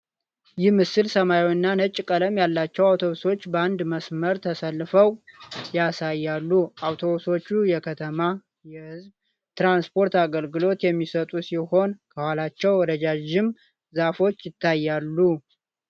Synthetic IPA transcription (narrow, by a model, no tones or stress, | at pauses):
jɪhmɨsɨlsəmajwɨnːanət͡ʃʼːkʼələmjalːat͡ʃːɛwawt̪ʰo̞βuso̞t͡ʃːbəand̪məsməɾt̪ʰəsəlːɨfəwjasajːalːuawt̪ʰo̞βuso̞t͡ʃːujɛkʰət̪ʰəma | jɛhɨzb | t̪ɾanspʰo̞ɾt̪aɡəlɡɨlo̞t̪jɛmːisət̪ʼusiho̞nkʰəhalat͡ʃːɛwɔd̪əd͡ʒad͡ʒɪm | zafo̞t͡ʃːjɪt̪ʰːajːalːu